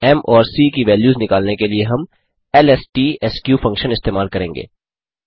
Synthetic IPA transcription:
ɛmɔːɾsiːkiʋɛːljuːznɪkaːlnekelieɦɐm | ɛlɛsʈiːɛskjuːfɐ̃ŋkʃənɪst̪eːmaːlkɐɾẽːŋɡḛː

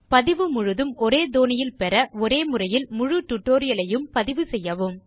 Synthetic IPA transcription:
pɐðɪʋɯmʊɻʊðɯmɔɾeːd̪oːnɪjɪlpɛɾɐɔɾeːmʊrɐjɪlmʊɻʊʈʊʈːoːɾɪjɐlɐjɯmpɐðɪʋɯsɛjːɐʋɯm

